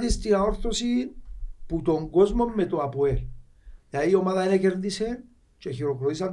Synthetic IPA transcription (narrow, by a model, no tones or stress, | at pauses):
d̪est̪inaoɾθosinput̪oŋɡozmomːet̪oapwel | jaiomaðaenekeɾd̪isen | t͡ʃexiɾokɾoðis̬an